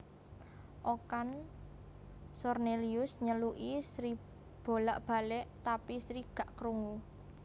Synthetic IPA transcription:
ʔokan | sɔrneliʊsɲəluʔisɾi | b̥o̤laʔb̥a̤lɛʔt̪apisɾiɡ̥ä̤ʔkɾuŋu

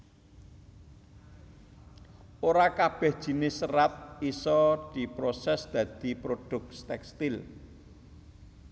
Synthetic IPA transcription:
oɾakab̥ɛ̤hd̥ʒ̥i̤nɪsərat̪̚isɔd̪̥i̤pɾosɛsd̪̥ä̤d̪̥i̤pɾod̪̥ʊ̤k̚t̪ɛkst̪ɪl

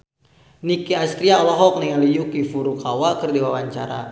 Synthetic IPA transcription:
nikiast̪ɾiaɔlɔɦɔk̚niŋalijukifuɾukawakərdiwawaɲt͡ʃaɾa̰

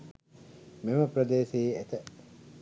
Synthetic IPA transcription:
meməpɾɐd̪eːsiːet̪ə

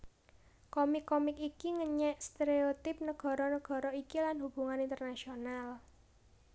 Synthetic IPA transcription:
kɔmɪkːɔmɪkikiŋəɲɛʔst̪eɾeot̪ɪp̚nəɡ̥ɔ̤ɾɔnəɡ̥ɔ̤ɾɔikilanɦub̥uŋanint̪ərnasional

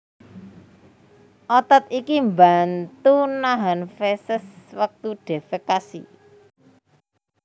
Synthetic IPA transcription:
ʔot̪at̪̚ikimba̤nt̪unaɦanfesəswək̚t̪uɖ̥e̤fəkasḭ

